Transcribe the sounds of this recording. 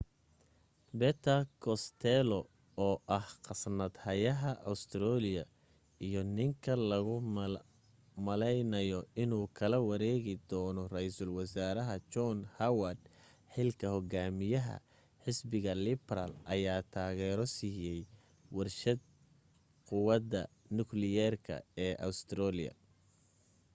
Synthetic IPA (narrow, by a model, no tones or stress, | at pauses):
bɛt̪ʰɐkʰɔst̪ʰɛlɔ | ɔːʔɐhqɑsnɐd̪hɐjɐɦɐʔɐ̰st̪ʰɾɔːlɪjɐ | ijɔnɪŋkʰɐlɐɣʊ | mɐlɛjnɐjɔɪnuːkʰɐlɐwɐɾɛːɣɪd̪ɔːnɔrɛjsʊlwɐsaːɾɐɦɐt͡ʃɔnhɐwɐd̪ | ħɪlkʰɐhɔɡaːmɪjɐɦɐ̰ | ħɪsbɪɣɐlɪbɾɐ̰lʔɐjaːt̪ʰaːɣɛːɾɔsiːjɛj | wɐrʃɐd̪̚ | qʊwɐd̪ɐ | nʊklɪjɛrkʰɐ̰ɛːʔɐ̰wst̪ʰɾɔːlɪ̰jɐ̰